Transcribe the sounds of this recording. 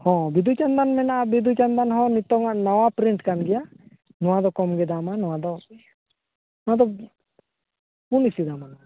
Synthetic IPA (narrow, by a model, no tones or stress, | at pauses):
hɔ̃bid̪ʱut͡ʃand̪anmɛnaʔbid̪ʱut͡ʃand̪anɦɔ̃nit̪ɔŋaʔnawapɾiɳʈkanɡɛja | nɔ̃wad̪ɔkɔmɡɛd̪amanɔwad̪ɔ | nɔad̪ɔ | unisid̪aman